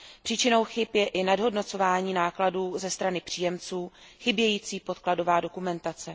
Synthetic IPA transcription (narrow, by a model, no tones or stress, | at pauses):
pr̝̥iːt͡ʃɪno̞wxɪpjɛʔɪnadɦo̞dno̞t͡so̞vaːɲiːnaːkladuːzɛst̪ɾanɪpr̝̥iːjɛmt͡suːxɪbjɛjiːt͡siːpo̞t̪klado̞vaːdo̞kumɛnt̪at͡sɛ